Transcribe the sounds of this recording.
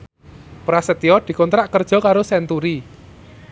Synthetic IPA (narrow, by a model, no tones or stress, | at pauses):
pɾasət̪iɔd̪̥i̤kɔnt̪ɾaʔkərd̥ʒ̥ɔ̤kaɾosɛnt̪uɾi